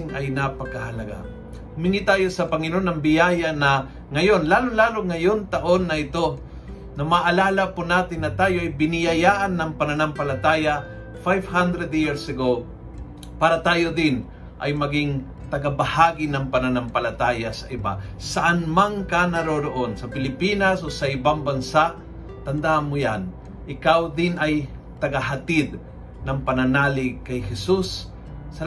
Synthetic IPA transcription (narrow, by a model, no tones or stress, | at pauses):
ɪŋɐjnapɐkɐhɐlɐɡa̰ | mɪnɪt̪aːjosɐpɐŋɪnoonɐŋbɪjajanɐ | ŋɐjo̞nlaːloŋlaːloŋːɐjont̪ɐʔonːɐɪt̪o̞ | nɐmaʔɐlaːlɐpʊnaːt̪ɪnːɐt̪aːjoʔɐjbɪnɪjɐjaːʔanːɐŋpɐnɐnampɐlɐt̪aːja | fajvhand̪ɾɛd̪jiɹsɐɡow | paːɾɐt̪aːjod̪ɪn | ʔajmɐɡɪŋ | t̪ɐɡabɐhaːɡɪnɐŋpɐnanampɐlat̪aːjasɐʔɪba̰saʔanmaŋkanaɾoɾoʔonsɐpɪlɪpinasʔosɐʔɪbaŋbɐnsaʔ | t̪ɐnd̪amʊjan | ʔɪkawd̪ɪnaj | t̪ɐɡaɦat̪ɪd̪̚ | nɐŋpɐnanaːlɪkɐjhɛsusː | ɐ